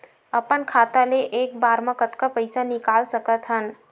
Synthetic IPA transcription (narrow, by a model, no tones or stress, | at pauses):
əpənkʰat̪aleʔeːk̚baɾmakət̪kapəjsanikalsəkət̪ɦən